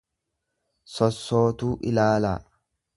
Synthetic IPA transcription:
sɔsːo̞ːt̪uːʔɪlaːla̰ː

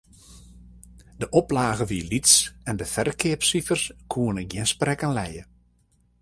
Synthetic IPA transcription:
dəʔɔplaːɣəʋiəlitsɛndəfɛrkʰɪəpsifərskʰuənəɡjɪnsprɛkanlɛjə

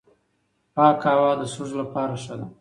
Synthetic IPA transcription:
pɑːkɑwɑd̪əsʊʒlapɑːɾaʃəd̪a

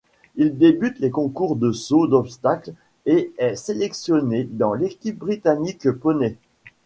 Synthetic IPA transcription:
ild̪ebyt̪lekɔ̃kuʁd̪əsod̪ɔpst̪akl | eɛselɛksjɔned̪ɑ̃lekʲip̚bʁit̪anikpɔne

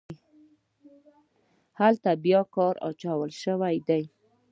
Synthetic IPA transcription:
halt̪abjɑkɑɾɑ̰t͡ʃɑwəlʃəwajd̪aj

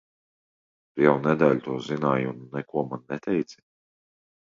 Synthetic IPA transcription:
d̪jɛwnɛd̪ɛːlʲt̪uɔzinaːjunːɛkuɔmanːɛt̪ɛjt̪si̥

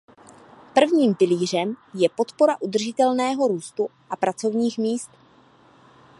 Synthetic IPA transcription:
pr̩vɲiːmpɪliːr̝ɛmjɛpo̞t̪po̞ɾaʔud̪r̩ʒɪt̪ɛlnɛːɦo̞ɾuːst̪uʔapɾat͡so̞vɲiːxmiːst̪

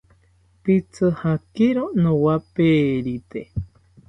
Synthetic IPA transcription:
pit͡sɨhakiɾonõwapeːɾit̪e

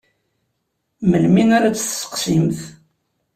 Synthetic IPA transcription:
məlminaɾat͡sːθsə̥qsimθ

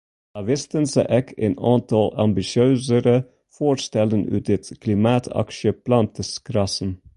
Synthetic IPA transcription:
ɑʋɪst̪ənsəʔɛkʰḛnɑnt̪ʰɑlɑmbɪʃɪøːsəɾə | foːɾst̪ɛlənʉ̰ːt̪ɪt̪kʰlɪmɑːt̪ʰɑ̰kʃəb̥lɑnt̪əskʰɾɑsən̩

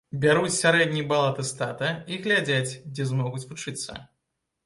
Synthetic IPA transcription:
bʲaɾut͡sʲsʲaɾɛd̪ʲnʲijbalˠat̪ɨst̪at̪ɐiɣlʲad͡zʲat͡sʲd͡zʲɛzmɔɣut͡sʲvut͡ʂɨt̪sːɐ̰

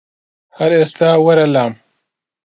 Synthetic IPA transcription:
hɐɾest̪aːwɐɾɐlaːm

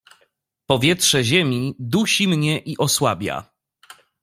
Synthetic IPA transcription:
pɔvʲjɛtʂɛʑemʲid̪uɕimɲɛʔiʔɔswabʲja̰

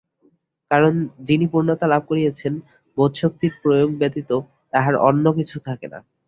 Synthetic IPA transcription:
kaɾond͡ʑinipuɾnot̪alab̚ʱkoɾiet͡ɕʰen | bod̪ʃok̚t̪iɾpɾojoɡ̚bet̪it̪o | t̪aɦaɾɔ̰nːok̬it͡ɕʰut̪ʰakena̰

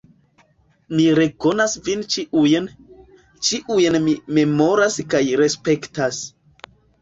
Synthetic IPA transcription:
miɾe̞ko̞nasvint͡ʃiʔujen | t͡ʃiʔujenime̞mo̞ɾaskajɾe̞spe̞ktas

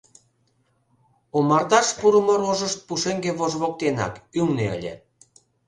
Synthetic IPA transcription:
omɑrd̪ɑʃpuɾumoɾoʒəʃt̪̚puʃeŋɡeβozβok̚t̪enɑ̰kyŋneə̰lʲḛ

